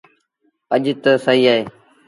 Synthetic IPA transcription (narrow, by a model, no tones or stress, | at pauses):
əʄt̪əsəɦiːaːɦeː